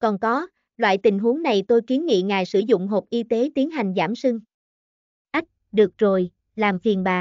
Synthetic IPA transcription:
kɔ˨˩nkɔ˨˦ | lwa̰ː˧˨jt̪ï˨˩ŋ̟ɦu˨˦əŋna˨˩jt̪o˧jki˨˦ənŋḭ˧˨ŋaː˨˩jsɨ˧˩zʊ̰˧˨ŋ͡mɦo˨˩p̚ʔi˧t̪e˨˦t̪i˨˦ənɦa˨˩jŋ̟zaː˧˩msɨ˧ŋ | ʔa˦˥jk̟̚ɗɨ˨˩ək̚zo˨˩j | laː˨˩mfi˨˩ənɓaː˨˩

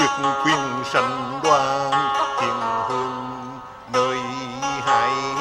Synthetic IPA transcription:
i˧˩ək̚kʰwi˧ənsa˧nɗwaː˧nt̪i˨˩nhəː˧nː | əː˧˩jɦaː˨˧˦j

